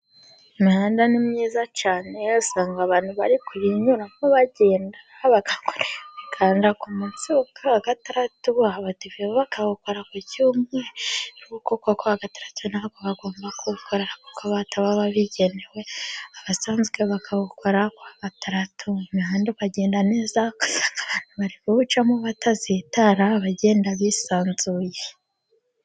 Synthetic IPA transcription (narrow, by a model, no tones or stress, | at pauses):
imihaːndanimɲiːzat͡ʃaːnejosaːŋɡaβaːnhuβa̰ɾikuβiɲuɾamoβaɟe̞ːndaaβaɡakoɾewekʰaːndiakumut͡sukʰaːɡataɾatuaβateβiβoβakaβuko̞ɾakucuːmŋeɾukokokoaɡataɾatʰunaβakoβaɡo̞ːmbakuβukʰoɾeɾaku̥kaβataβaβaβiɟe̞newe̞aβasaːnzɡeβakʰaβukʰoɾakwaɡ̥ataɾatʰuimiɦaːndeβaɟe̞ːndane̞ːzaaβaniβaɾikuβut͡ʃamuβatazitaɾaβaɟe̞ːndaβisaːnzuːje